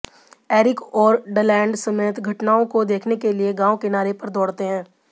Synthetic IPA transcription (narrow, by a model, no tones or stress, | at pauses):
ɛːɾɪkɔːɾɖəlɛ̃ːɳɖsɐmeːt̪ɡʱɐʈnaːõkod̪eːkʰnekelieɡãːõkɪnaːɾepɐɾd̪ɔːɽt̪eɦɛ̃ː